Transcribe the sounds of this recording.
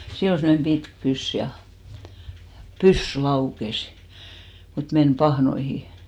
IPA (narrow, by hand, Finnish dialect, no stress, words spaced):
silː ol semːŏnem b̥itk pys jɑ pysːy lɑukes mut men pɑhnoihi